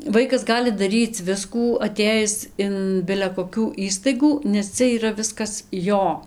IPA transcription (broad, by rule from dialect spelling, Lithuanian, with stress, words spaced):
ˈʋɐɪkɐs ˈɡɑːlʲɪ dɐˈrʲiːt͡s ˈʋʲɪskuː ɐˈtʲeːjɪs ɪn bʲɪlʲɛ koːˈkʲuː ˈiːstɐɪɡuː nʲɛs ˈt͡sʲɛ iːˈrɐ ˈʋʲɪskɐs ˈjoː